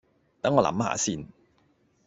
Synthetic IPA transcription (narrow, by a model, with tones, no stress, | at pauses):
t̪ɐ˨˥ŋːɔː˨˧lɐ̰˨˥mha̰ː˨˧siː˧n